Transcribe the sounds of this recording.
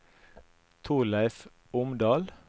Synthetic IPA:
t̪ʰuːlæɪf | ʊmd̪ɑːl

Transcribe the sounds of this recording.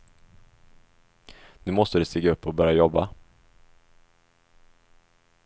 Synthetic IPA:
nʉ̟ːmɔst̪əd̪ɛst̪iːɡaɵpːɔbœːɾjajɔbːa

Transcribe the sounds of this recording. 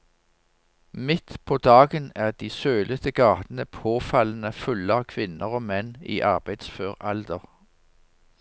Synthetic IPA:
mɪt̪pʰoːd̪ɑːɡənæːʁd̪iːsøːlət̪əɡɑːt̪n̩əpʰoːfɑln̩əfʉləɑːʋkʰʋɪnəʁoːmɛnḭːʔɑʁbæɪd̪̥sføːʁɑld̪əʁ

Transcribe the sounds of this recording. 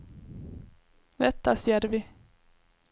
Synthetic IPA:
vɛt̪ːasjeːɾvɪ

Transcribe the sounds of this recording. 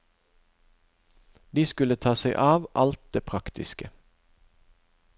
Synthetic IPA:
d̪iːskʉlət̪ʰɑːseɪʔɑːʋʔɑlt̪̚d̪eːpʰʁɑkt̪ɪ̰skə

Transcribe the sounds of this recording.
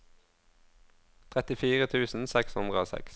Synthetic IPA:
t̪ʰʁɛt̪ɪfiːʁət̪ʰʉːsn̩sɛkshʉnd̪ʁəoːsɛ̰ks

